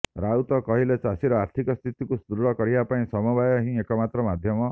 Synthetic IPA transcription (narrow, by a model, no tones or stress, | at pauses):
ɾaut̪ɔkɔɦilet͡ʃasiɾɔaɾt̪ʰikɔst̪ʰit̪ikust̪uɾuɽɔkɔɾibapaĩsɔmubajɔɦĩekɔmat̪ɾɔmad̪ʱjɔmɔ